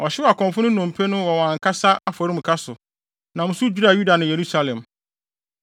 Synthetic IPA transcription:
ɔ˨ɕɪ˦wa˨kʰɔ̃˨mfʊ̃˦nʊ̃˦nʊ̃˨m̩˨pʰe˦nʊ̃˦wɔ˨wɔ̃˨ã˨ŋ˨kʰa˦sa˦a˦fɔ˨ɾĩ˦m̩˨kʰa˦sʊ˨ | nã˨mʊ̃˦sʊ˦d͡ʑᶣu˦ɾa˨ju˦da˨nʊ̃˨je˨ɾu˦sa˦lɛ̃˨m

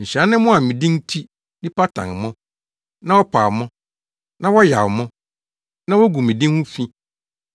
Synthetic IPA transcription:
ɲ̩˨ɕa˨˦nɪ̃˦mʊ̃˦a˨mĩ˨dĩ˦n̩˦tʰi˦ | nɪ̃˦pa˦tʰã̰˨ŋ˨mʊ̃˦ | nã˦wɔ˦pʰaː˨mʊ̃˦ | nã˦wɔ˦ja˨wmʊ̃˦ | nã˦wɔ˦ɡu˨mĩ˨dĩ˦nhʊ̃˦fĩ˦

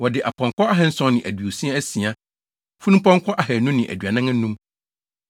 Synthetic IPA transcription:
wɔ˨dɪ˨ʔa˨pʰɔ̃˨ŋkʰɔ˦a˦ɦɛ˨n̩˦sɔ̃˦nɪ̃˨ʔæ̰˨dɥo˨si˦a˦æ˦si˨a˦ | fu˦nũ˦pʰɔ̃˦ŋkʰɔ˦ʔa˨hɛ˨nũ˦nɪ̃˨ʔæ̰˨dɥa˨nã˦ŋã˦nũ˦m

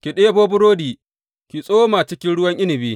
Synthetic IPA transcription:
kʲi˨ɗeː˦boː˦bʊ˦ɾoː˦diː˨ | kʲi˨sʼoː˦maː˨t͡ʃɪ˦kʲɪ˦nɽʊ˦wɐ˦ŋʔɪ˦nɪ˨biː˦

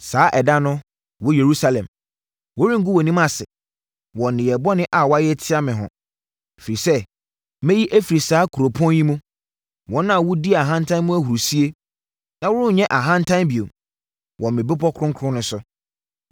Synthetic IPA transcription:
saː˨˦ʔɛ˨dã˦nʊ̃˦ | wɔ˦je˨ɾu˦sa˦lɛ̃˨m | wo˦ɾĩ˦ŋ̩˦ɡu˦wɔ˨nĩ˦m˦a˨sɪ˨ | wɔ̃˨nɪ̃˨jɛ˨bɔ˦nɪ̃˦ʔa˨wɔ˦a˦jɛ˦tʰɪ˦a˦mɪ̃˨ɦɔ̰̃˨ | fi˨ɾi˨sɛ˦ | mɛ̃˦ji˦ʔæ˦fi˨ɾi˨saː˨˦kʰu˨ɾo˨pʰɔ̃˦n˦ji˦mũ˦ | wɔ̃˨˦nã˦˨wʊ˦di˦a˨ɦã˦ntʰã˦nmũ˦æ˦hu˨ɾu˨si˦e˦ | nã˨wʊ˦ʊ̃˦˨ɲɛ̃˦ʔa˨ɦã˦n˦tʰã˦nbi˨o˨m | wɔ̃˨mɪ̃˨bɪ˦pɔ˦kʰɾʊ̃˦kʰʊ˦ʊ̃˦nʊ̃˦sʊ˦

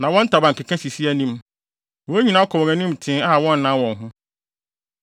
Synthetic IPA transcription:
nã˨wɔ̃˦n̩˦tʰa˨bã˨ŋ̩˨kʰɪ˨kʰã˦si˨si˦æ˦˨nĩ˦m˨ | wɔ̃˦ɲĩ˨nã˦kʰɔ˨wɛ̃˨nĩ˦m˨tʰɪ̃˦a˦a˨wɔ̃˦nː˦ã˨˦wɔ̃˨nɦʊ̃˦

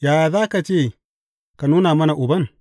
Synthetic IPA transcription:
ja˨ja˨za˦ka˨t͡ʃe˦˨ | ka˨nu˦na˨mɐ˦na˨ʔu˨ba˦n

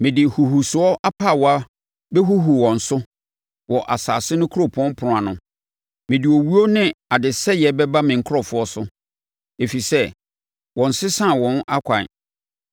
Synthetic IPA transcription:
mɪ̃˨dɪ˨hu˨hu˨sʊ˨ɔ˦ʔa˦pʰaː˦˨wɔ˨a˦ | bɛ˦ɦu˦ɦu˨wɔ̃˨n̩˨sʊ˦ | wɔ˨ʔa˨saː˨sɪ˦nʊ̃˦kʰʊ˦ɾo˦˨pʰɔ̃˦m˦pʰʊ˨ʊ̃˨a˨nʊ̃˨ | mɪ̃˨dɪ˨o˨wu˦o˦nɪ̃˦a˨dɪ˨sɛ˦jɛ˨bɛ˦ba˦mɪ̃˨ŋ̩˨˦kʰʊ˦ɾɔ˨fʊ˦ɔ˦sʊ˦ | e˨fi˨sɛ˦ | wɔ̃˨n̩˨sɪ˦sã˦˨wɔ̃˨na˦kʷʰã̰˨

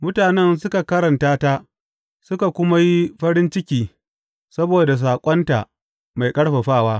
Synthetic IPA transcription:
mʊ˦taː˨nɛ˦ns̬ʊ˦ka˨kɐ˦ɾɐ˨ntaː˦ta˦ | sʊ˦ka˨kʷʊ˦ma˦ji˦ɸɐ˦ɾɪ˦nt͡ʃɪ˦kʲiː˨ | sɐ˦boː˨da˨s̬aː˨kʷʼɔ˦nta̰˨ʔ | ma˨jkʼɐ˦ɽɸa˨ɸaː˦˨waː˦

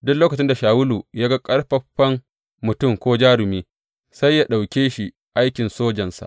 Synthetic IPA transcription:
dʊ˦kloː˦kɐ˨t͡ʃɪ˦nda˨ʃaː˨wʊ˦luː˨jaː˦ɡa˦kʼɐ˦ɽɸɐ˦ɸːɐ˦m | mʊ˨tʊ˦˨mkʷoː˦d͡ʒaː˦ɾʊ˨miː˦ | sa˦jːa˦ɗa˨wkʲeː˦ʃi˨ | ʔa˦jkʲɪ˨nsoː˦d͡ʒɐ˨nsa̰˨ʔ

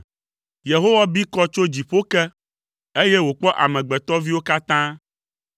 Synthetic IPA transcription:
je˨ɦo˦wa˦bi˦kɔ˦t͡ʃo˦d͡ʑi˨ɸo˦kɛ˦ | e˦je˦wo˨k͡pɔ˦ʔa˨mɛ̃˨ɡ͡bɛ˨t̪ɔ˦vi˦wo˦ka˦t̪ã˦

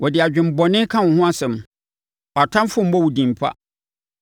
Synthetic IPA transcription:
wɔ˨dɪ˨a˨d͡ʑᶣɪ̃˨m˨bɔ˨nɪ̃˦kʰã˦wɔ̃˨hʊ̃˦a˦sɛ̃˨m | ɔ˨a˨tʰã˦m˦fʊ̃˦m̩˦bɔ˦wu˨dĩ˨m˨pʰa̰˦

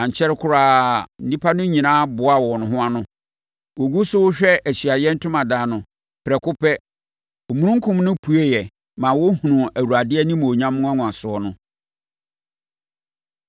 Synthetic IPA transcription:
ã˨ɲ˨t͡ɕʰɛ˦ɾɪ˦kʰʊ˦ɾaː˦n̩˦˨ĩ˦pʰa˦nʊ̃˦ɲĩ˨nãː˦bʊ˨a˨wɔ˨nʊ̃˨ɦʊ̃˦a˦nʊ̃˦ | wɔ˨ɡu˦sʊ˦wʊ˦ɕᶣɛ˦ʔæ˨ɕi˨a˨jɛ̃˦n̩˦tʰʊ̃˦mã˨daː˨nʊ̃˨ | pʰɾɛ˨kʰʊ˦pʰɛ˦ | o˨mũ˦ɾũ˦ŋ˦kʰʊ̃˦mnʊ̃˦pʰu˦e˦jɛ˨ | mã˨wɔ˦hũ˨nũ˨æ˨wu˨ɾa˨dɪ˦ɛ˦nĩ˦m̃˨o˨ɲã˦mʊ̃˦ã˦ŋʊ̃˨a˨sʊ˨ɔ˦nʊ̃˦

